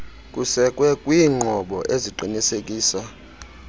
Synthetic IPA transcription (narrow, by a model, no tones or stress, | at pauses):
kʼusɛkʼwɛkʼwiːŋ͡ǃʱɔɓɔʔeziǃʱinisekʼiːsa